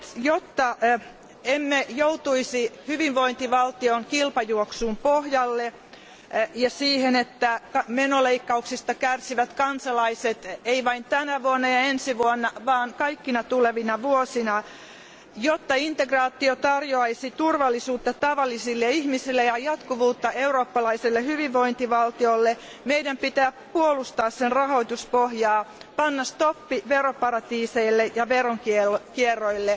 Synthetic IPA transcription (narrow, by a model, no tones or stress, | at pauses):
jot̪ːɑ | emːejout̪uisihyʋiʋʋoint̪iʋɑlt̪ioŋkilpɑjuoksuːmpohjɑlːe | jɑsiːhenet̪ːækɑmenoleikːɑuksist̪ɑkærsiʋæt̪kɑnsɑlɑiset̪eiʋɑint̪ænæʋuonːɑjɑensiʋuonːɑʋɑːŋkɑikːinɑt̪uleʋinɑʋuosinɑ | jot̪ːɑint̪eɡrɑːt̪ːiot̪ɑrjoɑisit̪urʋɑlːisuːt̪ːɑt̪ɑʋɑlːisilːeihmisilːejɑjɑt̪kuʋuːt̪ːɑeuroːpːɑlɑiselːehyʋiʋʋoint̪iʋɑlt̪iolːe | meidæmpit̪æːpuolust̪ɑːssenrɑhoit̪uspohjɑːpɑnːɑst̪opːiʋeropɑɾɑt̪iːseilːejɑʋeroŋkielkierːoilːe